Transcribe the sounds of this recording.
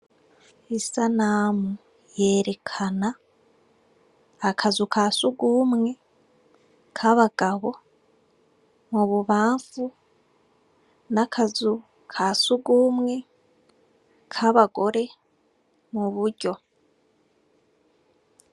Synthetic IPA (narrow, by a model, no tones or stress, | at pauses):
isanaːmu | je̞ːɾe̞kʰana | kʰazukasuɡuːmŋe̞ | kʰaβaɡ̥aβo̞ | muβuβaːɱfu | nakʰazu | kʰasuɡuːmŋe̞ | kʰaβaɡo̞ɾe̞ | muβuɾɟo̞